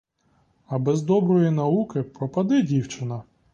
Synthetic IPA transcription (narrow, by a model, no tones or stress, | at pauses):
ɐbɛzd̪ɔbɾɔjinɐukɪpɾɔpɐd̪ɪdʲiwt͡ʃɪnɐ